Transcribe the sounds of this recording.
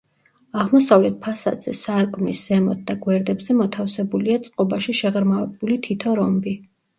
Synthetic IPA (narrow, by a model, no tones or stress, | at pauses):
aʁmɔsavlɛt̪̚pʰasa̰d̪z̥ɛ̰saɾkʼmisz̥ɛmɔ̰t̪̚d̪aɡwɛɾd̪ɛbzɛmɔt̪ʰafsɛbuliat̪sʼqʼɔbaʃiʃɛʁɾmavɛbulit̪ʰit̪ʰɔɾɔmbi